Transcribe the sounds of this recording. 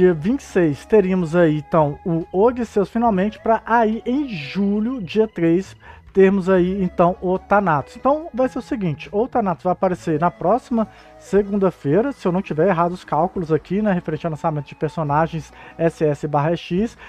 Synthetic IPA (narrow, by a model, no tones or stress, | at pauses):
d͡ʒiɐvĩt͡ʃɪ̥sejst̪eɾiɐmʊzaiẽt̪ɐ̃w̃ʊoɡisewsfĩnawmẽnt͡ʃɪ̥pɾɐʔaiʔẽj̃ʒuʎʊd͡ʒiɐt̪ɾejst̪eɾmʊzaiẽnt̪ɐ̃w̃ot̪anat̪ʊ̥sẽnt̪ɐ̃w̃vajseɾʊsɪɡĩnt͡ʃɪ̥ot̪anat̪ʊzvajapaɾeseɾnɐpɾɔsimɐ | seɡũnd̪ɐfejɾɐsɪewnɐ̃w̃t͡ʃivɛɾeɦad̪ʊʊskawkʊlʊzakʰinɛɦefeɾẽt͡ʃɪawlɐ̃samẽnt̪ʊd͡ʒɪ̥peɾsõnaʒẽj̃sɛsɪɛsɪbaɦɐɛʃis